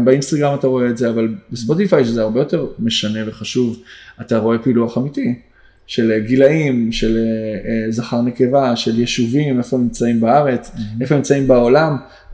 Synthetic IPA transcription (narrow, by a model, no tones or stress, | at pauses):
beinst̪aɡʁamataʁo̞e̞ːtzeavalbespo̞t̪ifajʃezeaʁbe̞jo̞te̞ʁme̞ʃane̞ve̞χaʃuvataʁo̞e̞piːluaχamiti | ʃe̞lɡilaimʃe̞lezaχaʁne̞ke̞vaʃe̞ljeʃuvimefomimt͡saimbaaʁe̞t͡sefomimt͡saimbao̞lam